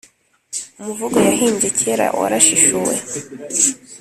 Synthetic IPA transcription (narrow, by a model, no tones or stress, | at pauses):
umuvuɡojaɦiːnzecʰeɾa̰ʔo̰ɾaʃiʃuwḛ